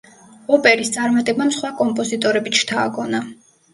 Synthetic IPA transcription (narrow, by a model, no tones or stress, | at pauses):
ɔpʼɛɾist̪sʼaɾmat̪ʼɛbamsχwakʼɔmpʼɔzit̪ʼɔɾɛbit̪t͡ʃt̪ʰaːɡɔna